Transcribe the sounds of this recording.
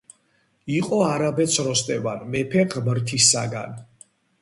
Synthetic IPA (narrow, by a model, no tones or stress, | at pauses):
iqʼɔaɾabɛt̪sʰɾɔst̪ʼɛvanmɛpʰɛʁmɾt̪ʰisa̰ɡa̰n